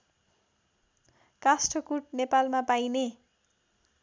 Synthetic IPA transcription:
kasʈʰʌkuʈ̚nepalmapajne

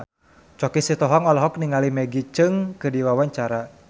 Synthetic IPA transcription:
t͡ʃɔkisit̪ɔɦɔŋɔlɔɦɔk̚niŋalimɛɡit͡ʃɨŋkɨdiwawaɲt͡ʃaɾa

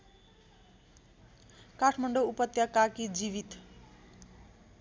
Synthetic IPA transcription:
kaʈʰmʌɳɖoupʌt̪jakakid͡ziβit̪

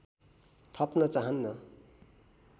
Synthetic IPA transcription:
t̪ʰʌpnʌt͡saɦʌnːʌ

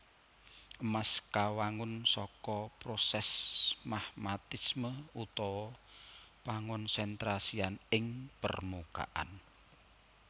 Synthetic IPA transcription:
əmaskawaŋʊnsɔkɔpɾosɛsmahmat̪isməut̪ɔwɔ | paŋʊnsɛnt̪ɾasianɪŋpə̰rmuka̰ʔa̰n

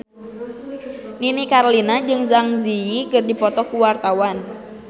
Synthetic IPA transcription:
ninikaɾlinad͡ʒɨŋzaŋziikɨrdipɔt̪ɔkuwart̪awan

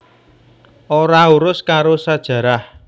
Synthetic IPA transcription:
oɾauɾʊskaɾosad̥ʒ̥ä̤ɾah

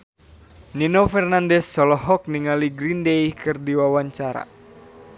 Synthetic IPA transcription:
ninofɛrnandɛsːɔlɔɦɔk̚niŋaliɡɾindejkɨrdiwawaɲt͡ʃaɾa̰

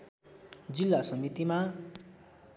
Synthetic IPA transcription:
d͡zilːasʌmit̪ima

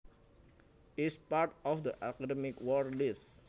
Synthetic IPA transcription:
ispaɹtɔfd̪əʔakadɛmɪkwɔɹlis

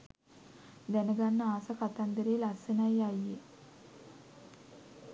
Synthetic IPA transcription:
d̪ænəɡanːəaːsakat̪and̪əɾeːlasenajajːe

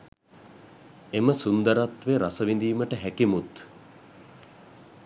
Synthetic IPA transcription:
eməsund̪əɾat̪ʋeɾasəʋind̪iːməʈəɦækimut̪

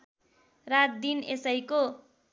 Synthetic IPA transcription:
rat̪̚d̪inesʌjko

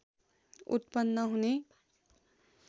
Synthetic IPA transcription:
ṵt̪pʌnːʌɦune

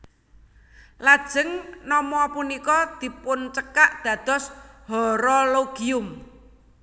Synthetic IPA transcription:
lad̥ʒ̥əŋnɔmɔpunikɔd̪̥i̤pʊnt͡ʃəkaʔd̪̥ä̤d̪̥ɔ̤shɔɾɔloɡ̥iʊm

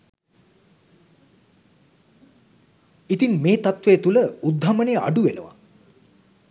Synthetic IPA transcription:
it̪inmeːt̪at̪ʋeːt̪uləud̪ʱːamənejəa̰ɖuʋenə̰ʋa̰

